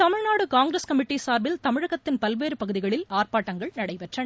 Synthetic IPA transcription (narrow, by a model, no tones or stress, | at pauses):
t̪ɐmɪɻnaːɽɯkaːŋɡɾeːskɐmɪʈːisaːɾʋɪlt̪ɐmɪɻɐɣɐt̪ːɪnpɐlʋeːɾɯpɐɣɯðɪɣɐɭɪlaːrpaːʈːɐŋɡɐɭnɐɽɐɪpɛʈrɐɳ